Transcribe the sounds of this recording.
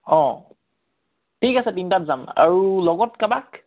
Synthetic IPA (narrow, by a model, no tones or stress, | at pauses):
ɔ̃ | tʰikasɛtintatzama̰ɹulɔɡɔtkabak